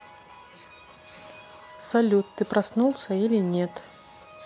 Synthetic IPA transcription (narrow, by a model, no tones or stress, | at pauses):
salʲut̪ːɨpɾasnulˠsʲɐilʲinʲɛt̪